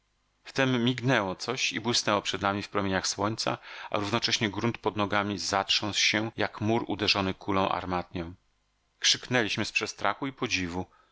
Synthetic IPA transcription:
ft̪ɛmːʲiɡnɛwɔt̪sɔɕibwɘsnɛwɔpʂɛd̪namʲifpɾɔmʲjeɲaxswɔɲt̪sa̰a̰ɾuvnɔt͡ʂɛɕɲɛɡɾunt̪pɔd̪nɔɡamʲizatʂɔ̃nswɕɛjakmuɾṵd̪ɛʐɔnɘkʰulɔ̃w̃ʔa̰ɾmat̪̚ɲɔ̃w̃ | kʂɘknɛlʲiɕmɘspʂɛst̪ɾaxuipɔd͡ʑivu

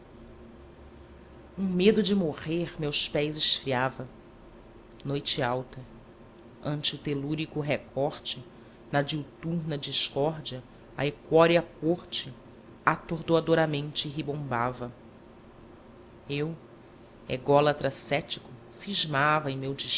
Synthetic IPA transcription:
ũmed̪ʊd͡ʒɪmoʁeɾmewspɛjzɪʃfɾiavɐ | nojt͡ʃɪawt̪ɐ | ɐ̃nt͡ʃɪʊt̪eluɾikʊɦekʰɔɾt͡ʃɪ | nɐd͡ʒiwt̪uɾnɐd͡ʒiʃkɔɾd͡ʒiɐ | ɐ̰ekɔɾiɐkoɾt͡ʃɪ | at̪oɾd̪oad̪oɾɐmẽnt͡ʃɪɦibõmbavɐ | ew | ḛɡɔlɐt̪ɾɐsɛt͡ʃi̥kʊsiʒmavɐẽj̃mewd͡ʒiʃ

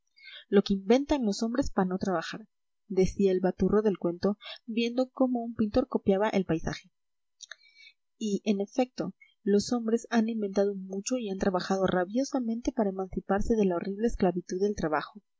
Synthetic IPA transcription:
lo̞keimbe̞nt̪anlo̞so̞mbɾe̞spaɾano̞t̪ɾaβaxaɾ | d̪e̞siaelβat̪uro̞ðe̞lkwe̞nt̪o̞bje̞nd̪o̞ko̞mo̞umpint̪o̞ɾko̞pjaβaʔelpajsa̰xe̞ | iʔe̞ne̞fe̞k̚t̪o̞ | lo̞so̞mbɾe̞sanĩmbe̞nt̪að̞omut͡ʃo̞iant̪ɾaβaxað̞o̞raβjo̞samẽ̞nt̪e̞paɾae̞mãnsipaɾse̞ðe̞lao̞riβle̞ːsklaβit̪uðːelt̪ɾaβaxo̞

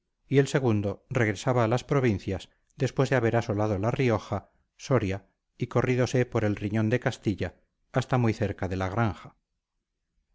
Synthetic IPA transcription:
ie̞lse̞ɣ̞und̪o̞reɣ̞ɾe̞saβaːlaspɾo̞β̞inθjas | d̪e̞spwezðeaβe̞ɾaso̞lað̞olario̞xa | so̞ɾja | iko̞riðo̞sepo̞ɾe̞lriɲõ̞nd̪ekast̪iʎaː | st̪amujθe̞ɾkaðe̞laɣɾaŋxa

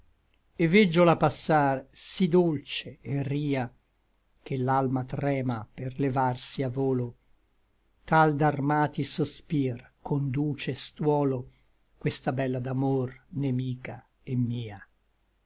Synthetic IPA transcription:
evɛd͡ʒːolapasːarsid̪olt͡ʃeːriːa | k̟elːalmat̪ɾɛːmaperlevarsiavoːlo | t̪ald̪armaːt̪isospirkond̪uːt͡ʃest̪wɔːlo | kwest̪abɛlːad̪amornemiːka | emːiːa

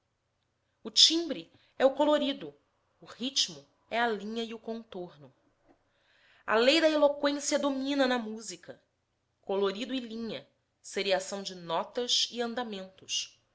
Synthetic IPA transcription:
ʊt͡ʃĩmbɾi | ɛʊkoloɾid̪ʊː | hit͡ʃmʊ | ɛɐlĩɲɐiʊkõnt̪oɾnʊ | ɐ̰lejd̪ɐelokwẽsiɐd̪omĩnɐnɐmuzikɐ | koloɾid̪ʊɪlĩɲɐ | seɾiasɐ̃w̃d͡ʒɪnɔt̪ɐʃɪɐ̃nd̪amẽnt̪ʊʃ

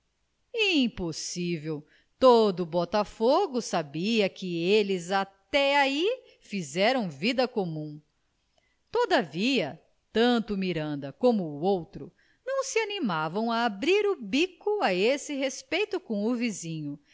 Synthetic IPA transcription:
iĩposivew | t̪od̪ʊbɔt̪afoɡʊsabiɐkɪelɪzat̪ɛai | fizɛɾɐ̃w̃vid̪ɐkomũ | t̪od̪ɐviɐ | t̪ɐ̃nt̪ʊmiɾɐ̃nd̪ɐkõmʊːowt̪ɾʊ | nɐ̃w̃sɪanimavɐ̃w̃ɐːbɾiɾʊbikʊaesɪɦespejt̪ʊkõw̃ʊvizĩɲʊ

